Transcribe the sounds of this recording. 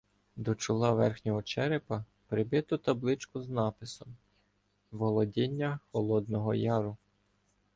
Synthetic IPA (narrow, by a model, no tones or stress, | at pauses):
d̪ɔt͡ʃʊlˠɑʋɛrxnʲɔɦɔt͡ʃɛɾɪpɐ | pɾɪbɪt̪ʊt̪ɐblˠɪt͡ʃkʊznɑpɪsɔm | ʋɔlˠɔdʲinʲːɐxɔlˠɔd̪nɔɦɔjɑɾʊ